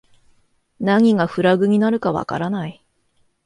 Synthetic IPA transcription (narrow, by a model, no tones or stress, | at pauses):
naɲ̟iɡaɸɯ̟ɾaɡɯ̟ɲ̟inaɾɯ̟kaβa̰ka̰ɾanai